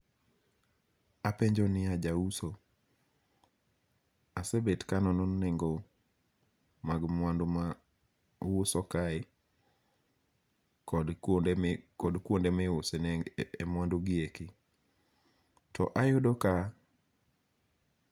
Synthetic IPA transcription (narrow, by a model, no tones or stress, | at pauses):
apeɲd͡ʒɔnɪad͡ʒauso | asebetkanɔnɔnːɛŋɡɔ | maɡmwandma | wosɔkaɪ | kd | kɔdkwondemɛʊsenɛemwandʊɡɪekɪ | tɔ̰ʔajʊdɔka